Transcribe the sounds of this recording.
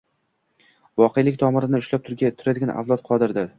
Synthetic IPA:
vɒqʰejlɪkʲt̪ʰɒmɪɾɪnɪʊʃlap̚t̪ʰʊɾɡʲt̪ʰʊɾad̪ɪɡʲanʔa̰vlˠɒt̪qʰɒd̪ɪɾd̪aɾ

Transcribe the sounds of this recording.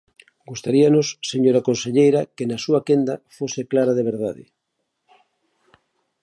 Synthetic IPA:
ɡust̪aɾianosːeɲoɾakonseʎejɾakenasuakend̪afoseklaɾaðeβ̞eɾðaðɪ̰

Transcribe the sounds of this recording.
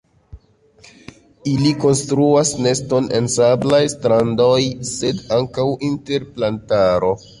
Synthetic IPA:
iliko̞nstɾuasne̞sto̞ne̞̰nsablajstɾando̞jse̞daŋkawinte̞ɾplantaɾo̞

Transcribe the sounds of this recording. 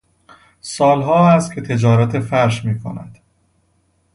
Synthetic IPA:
sɒːlɦɒːæst̪̚cʰe̞t̪ʰe̞d͡ʒɒːɾæt̪ʰe̞fæɾʃmiːkʰo̰næ̰d̪̥

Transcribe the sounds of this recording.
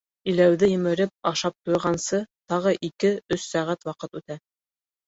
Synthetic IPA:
ilæwðɘjɵ̆mɘ̆ɾɘp̚ɑʃɑp̚t̪ujʁɑnsɤt̪ɑʁɤʔikɘɵsːæʁæt̪wɑqɤt̪ʉt̪æ

